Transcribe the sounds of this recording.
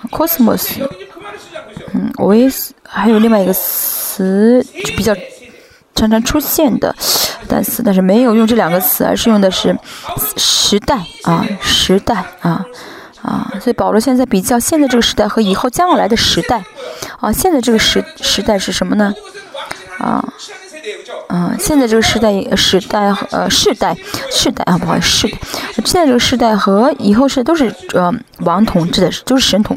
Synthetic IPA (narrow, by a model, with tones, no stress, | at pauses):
kʰɔ˥smə̰˥˩s | n̩̰˥˩˨we˧˥ɪxa˧˥ɪjo˨˩ʊli˥˧ŋwa˥˩˧ɡə˧t͡s̩ʰ˧˥˩ | pi˨˩t͡ɕjɑ˥˩ʊ | ʈ͡ʂʰɑ˧˥ŋʈ͡ʂʰɑ˧˥ŋʈ͡ʂʰu˥ɕjɛ˥˩nd̪ə̰˩˧˩t̪a̰˥˩nt͡sʰɹ̩˧˥t̪a˥˧nʂɻ̩˥˩me˧˥ɪjo˨˩ʊjʊ˥˧ŋʈ͡ʂɤ˥˩ljɑ˨˩ŋɡə˧t͡sʰɹ̩˧˥ə̰˧˥ʂɻ̩˥˧jʊ˥˩ŋd̪ə˩ʂɻ̩˥˩ | ʂɻ̩˧˥t̪a˥˩ɪʔɐ̰˧ʂɻ̩˧˥t̪a˥˩ɪɐ˧ | ɐ̰˧swɔ˧˥i˧˩pɑ˨˩ʊlwɔ˧˥ɕjt͡sɪpi˨˩t͡ɕjɑ˥˧ʊɕjɛ˥˧nt͡sa˥˧ʈ͡ʂɤ˥˩ɡə˧ʂɻ̩˧˥t̪a˥˩ɪxɤ˧˥i˨˩xo˥˧ʊt͡ɕjɑ˥ŋwɑ˥˩la˧˥ɪd̪ə˧ʂɻ̩˧˥t̪a˥˩ɪə˧ɕjɛ˥˧nt͡sa˥˩ɪʈ͡ʂɤ˥˩ə˩ʂɻ̩˧˥ʂɻ̩˧˥t̪a˥˧ɪʂɻ̩˥˩ʂə˧˥nmə˧nə˩ | ə̰˩ | ə˥˧˩ɕjɛ˥˧nt͡sa˥˧ɪʈ͡ʂɤ˥˩ɡə˩ʂɻ̩˧˥t̪a˥˩ɪ˧˩ʂɻ̩˧˥t̪a˥˩ɪxə̰˧ʂɻ̩˥˧t̪a˥˩ɪʂɻ̩˥˧t̪a˥˩ɪxpu˥˩xwa˥˩˧ʂɻ̩˥˧t̪a˥˩ɪ˧˩ɕnt͡sʈ͡ʂɤ˥˩ɡə˧ʂɻ̩˥˧t̪a˥˩ɪxɤ˧˥i˨˩xo˥˧ʊʂɻ̩˥˧˥o˥ʂɻ̩˥˩ə˧ | wɑ˧˥ŋt̪ʰʊ˧˥ŋʈ͡ʂɻ̩˥˩d̪ə˩˥˩t͡ɕjo˥˧ʊʂɻ̩˥˩ʂə˧˥nt̪ʰʊ̰˧˥